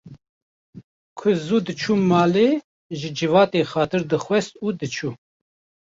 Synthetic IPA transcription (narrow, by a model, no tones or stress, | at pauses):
kʰʊzuːd̪ɨt͡ʃʰuːmɑːleː | ʒɨd͡ʒɨvɑːt̪eːxɑːt̪ʰɨɾd̪ɨxʷwɛst̪uːd̪ɨt͡ʃʰuː